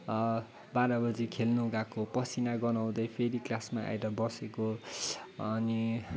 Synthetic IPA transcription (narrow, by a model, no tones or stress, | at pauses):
baɾʌbʌd͡zikʰelnuɡakopʌsinaɡʌnaw̃d̪ʌjpʰeɾiklasmaʔa̰jɾʌbʌseko | ʌni